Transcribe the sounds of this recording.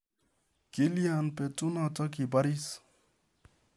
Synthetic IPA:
kilijaːnpetʊnãːt̪akibaɾis

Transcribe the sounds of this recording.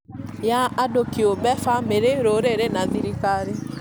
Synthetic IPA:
jaadokiobɛfameɾeɾoɾeɾenaðiɾikaɾe

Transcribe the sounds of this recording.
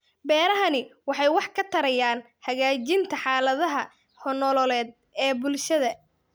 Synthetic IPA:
bɛːɾɐɦɐnɪwɑħɑjwɑħkʰɐt̪ʰɐɾɐjaːn | hɐɣaːt͡ʃɪnt̪ʰɐħɑːlɐðɐɦɐ | hɔnɔlɔlɛːd̪̚ | ɛːbʊlʃɐðɐ

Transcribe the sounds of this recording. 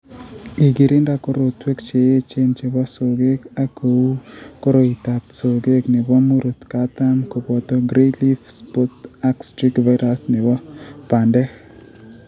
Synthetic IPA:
ikiɾindakoɾot̪wekt͡ʃeet͡ʃent͡ʃebɔsoɡekakoukoɾoitatsoɡeknɪbɔmuɾut̪kat̪amkobɔt̪ɔɡɾelifspot̪akstɾikvajɾasnɪbɔpandɛx

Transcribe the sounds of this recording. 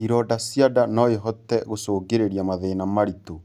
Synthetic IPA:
iɾɔdasiadanɔeɦɔtɛɣosoːɡeɾeɾjamaðeenamaɾito

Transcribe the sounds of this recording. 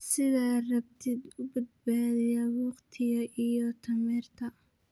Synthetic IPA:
sɪðaːrɐb̚t̪ʰid̪ʊbɐd̪̚baːðɪjawɑqt̪ʰɪjɐʔijɔt̪ʰɐmɛːrt̪ʰɐ

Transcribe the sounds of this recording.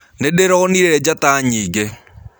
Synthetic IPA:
nedeɾɔoniɾeɾɛd͡ʒataɲiːɡe

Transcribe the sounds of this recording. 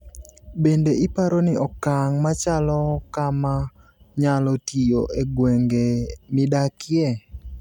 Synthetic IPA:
bendeɪpaɾonɪɔkaŋmat͡ʃalɔkama | ɲalɔtijo̰ʔeɡweŋɡemɪdakje

